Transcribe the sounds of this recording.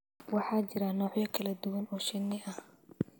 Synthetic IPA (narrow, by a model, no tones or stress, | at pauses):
wɑħɑːt͡ʃɪɾɐnɔːħjɐkʰɐlɐd̪ʊwɐnɔːʃɪnːɪʔɐh